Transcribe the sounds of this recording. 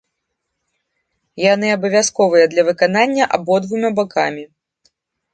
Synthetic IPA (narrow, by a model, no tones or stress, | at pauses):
jan̪ɨabɐvʲjaskɔvɨjɐd̪lʲɐvɨkananʲːɐʔa̰bɔd̪vumʲabakʰa̰mʲi